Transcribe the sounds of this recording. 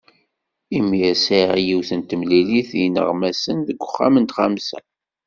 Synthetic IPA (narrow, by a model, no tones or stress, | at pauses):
imːiæsiʁjiwθənt̪əmliliθjnə̰ʁmæsənðəɡʷːəχːa̰mənt̪χamsæ̰n